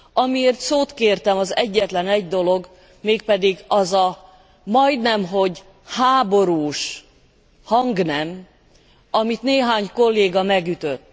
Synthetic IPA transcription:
ɒmieːrt̪soːt̪keːrt̪ɛmɒzɛɟːɛt̪lɛnɛɟd̪o̞lo̞ɡ | meːk̚pɛd̪iɡɒzɒ | mɒjd̪nɛmɦo̞ɟ | haːbo̞ɾuːʃ | hɒŋɡnɛm | ɒmit̪neːɦaːɲko̞lːeːɡɒmɛɡyt̪øt̪ː

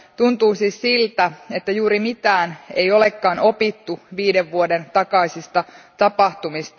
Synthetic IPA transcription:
t̪unt̪uːsiːssilt̪æe̞t̪ːæjuːɾimit̪æːne̞̰ijo̞lekːɑːno̞pit̪ːuʋiːdeʋːuode̞nt̪ɑkɑisist̪ɑt̪ɑpɑht̪umist̪

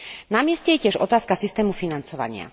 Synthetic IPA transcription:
namɪɛscɛjɛcɪɛʒɔ̰t̪aːskasist̪ɛːmufinant͡sɔʋa̰ɲɪa̰

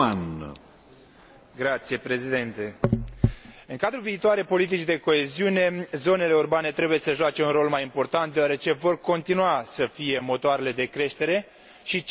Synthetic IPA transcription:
an | ɡɾat̪sije̞pɾe̞zid̪ent̪e̞ | ɨŋkad̪ɾuviːt̪oaɾepo̞lit̪it͡ʃid̪e̞ko̞e̞ziune̞zo̞ne̞le̞urbane̞t̪ɾe̞buje̞səʒoat͡ʃe̞unro̞lmajimpo̞rt̪ant̪̚d̪eoaɾe̞t͡ʃe̞vo̞rko̞nt̪inuasəfije̞mo̞t̪oaɾe̞le̞d̪e̞kɾe̞ʃt̪e̞ɾe̞ | ʃit͡ʃ

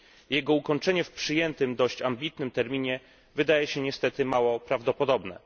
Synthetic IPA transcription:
jɛɡɔukɔɲt͡ʂɛɲɛfpʂɘjɛnt̪ɘmd̪ɔɕt͡ɕambʲit̪nɘmt̪ɛɾmʲiɲɛ | vɘd̪ajɛɕɛɲɛst̪ɛt̪ɘmawɔpɾavd̪ɔpɔd̪ɔbnɛ̰

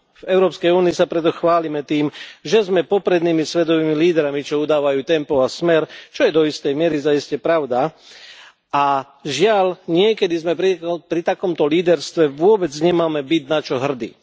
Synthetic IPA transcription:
vɛʊɾɔːpskɛjuːniːsapɾɛt̪̬ɔxʋaːlimɛt̪iːmʒɛzmɛpɔpɾɛd̪niːmisʋɛd̪ɔʋiːmiliːd̪ɾamit͡ʃɔud̪aːʋajuːt̪ɛmpɔasmɛɾt͡ʃɔjɛd̪ɔist̪ɛjmɪɛɾizaiscɛpɾaʊd̪a | a | ʒɪalɲɪɛkɛd̪izmɛpɾipɾit̪akɔmt̪ɔliːd̪ɛɾst̪ʋɛʋʊɔbɛd͡zɲɛmaːmɛbiɟnat͡ʃɔɦr̩d̪ḭː

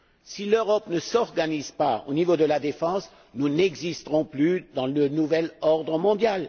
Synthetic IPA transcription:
siløʁɔpnəsɔʁɡanizpao̰nivod̪əlad̪efɑ̃s | nunɛɡzist̪əʁɔ̃plyd̪ɑ̃lənuvɛlɔʁd̪ʁəmɔ̃d̪jal

